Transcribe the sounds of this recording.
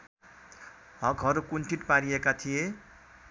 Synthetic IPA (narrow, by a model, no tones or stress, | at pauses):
ɦʌkɦʌɾukunʈʰiʈpaɾiekat̪ʰije